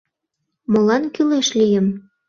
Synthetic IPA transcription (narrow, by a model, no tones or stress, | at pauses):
molɑnkyleʃlijə̆m